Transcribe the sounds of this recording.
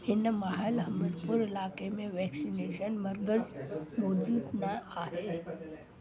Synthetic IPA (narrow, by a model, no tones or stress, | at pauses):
hɪnəmaɦəlɦəməd̪puɾɪlaːkemeʋɛksineːʃənməɾɡəzmoːd͡ʒuːd̪naaɦe